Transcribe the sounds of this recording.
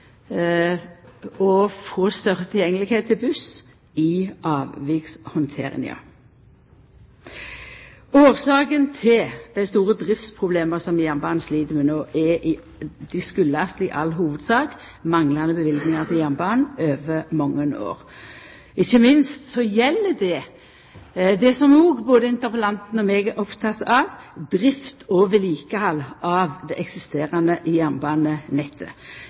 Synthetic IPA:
ɔfoːst̪œʁət̪ʰɪljɛŋːəlɪɡheːt̪ʰːɪlbʉs | ɪʔɑːʋʋɪkshʊnt̪ʰḛːʁɪ̰ŋ̰ɑ̰ | oːʁsɑːkənt̪ʰɪld̪̥æɪst̪uːʁəd̪ʁɪft̪spʰʁʊbleːməsɔmjæʁbɑːnsliːd̪əmɛnoːʔɛʔɪ | d̪̥ɪskʉlːəɑst̪ɪʔɑlːɦuːʋəd̪sɑːk | mɑŋlɑnəbəʋɪlɡnɪŋɑʁt̪ʰɪljænbɑːnøːʋəmɔŋːəno̰ːʁ | ɪçːəmɪnst̪sɔjɛlːədɛ | d̪ɛsɔmnuːɡboːd̪əɪnt̪əʁpəlɑnt̪nɔmeːɡæɾʔɔpt̪ʰɑt̪ːɑʋd̪ʁɪft̪ʰoːʋəliːkəhɑlːɑʋd̪ɛʔɛksɪst̪eːʁɑnəʔɪjæmbɑːnənɛt̪ʰːə

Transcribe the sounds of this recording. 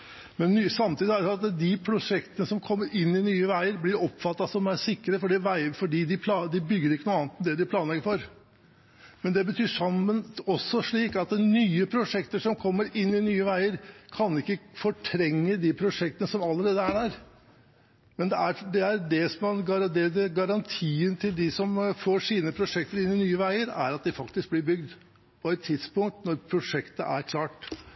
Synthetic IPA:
mɛnːyːsɑmt̪iːd̪æɾsɑt̪d̪ɪpʰɾʊʂɛkt̪ənəsɔmkʰɔmːəɾɪnːɪnyːəʋæɪəɾblɪɾɔpfɑt̪ːɑsɔmæʂɪkːəɾəfɔɖɪʋæɪfɔɖiːd̪ɪpʰlɑd̪ɪbʏɡːəɾɪkːənuːɑːnt̪md̪ɛd̪ɪpʰlɑːnlɛɡəɾfɔɾ | mɛnd̪ɛbət̪ʰyːʂɑmənɔsːɔʂɭiːkɑt̪nyːəpʰɾʊʂɛkt̪əʂɔmkʰɔmːəɾɪnːɪnyːəʋæɪəɾkʰɑnɪkːəfɔʈʰɾɛŋːəd̪ipʰɾʊʂɛk̚t̪ənəsɔmɑlːəɾeːd̪əæɖæɾ | mɛnd̪ɛæɖ̪ɛæɾɖɛsɔmɑnɡɑɾd̪ɛd̪ɛɡɑɾɑnt̪ʰiːənt̪ʰɪld̪ɪsɔmfoːʂiːnəpʰɾʊʂɛk̚t̪əɾɪnːɪnyːəʋæɪəɾæ̰ɾɑt̪̚d̪ɪfɑkt̪ɪsk̚blɪɾbʏɡ̚d̪ | pʰɔɛt̪ʰːɪd̪spʊŋk̚t̪nɔɾpʰɾʊʂɛkt̪əʔæ̰ɾkʰlɑːʈ

